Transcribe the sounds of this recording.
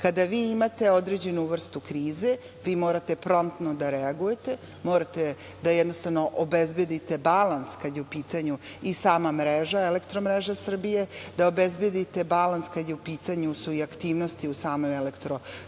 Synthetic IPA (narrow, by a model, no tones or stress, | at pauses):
kad̪aʋiːimat̪e̞od̪ɾed͡ʑe̞nuʋr̩st̪ukɾiːze̞ | ʋiːmo̞ːɾat̪e̞pɾo̞mt̪nod̪aɾeaɡuje̞t̪e̞ | moːɾat̪e | d̪ajed̪no̞st̪aʋno̞ʔobezbje̞d̪it̪e̞balanskad̪jeupiːt̪aɲuisaːmamɾeʒaelekt̪ɾomɾeʒasr̩bije̞d̪aobezbjed̪it̪e̞balanskad̪jeupiːt̪aɲusuiakt̪iːʋnost̪iusaːmomelekt̪ɾo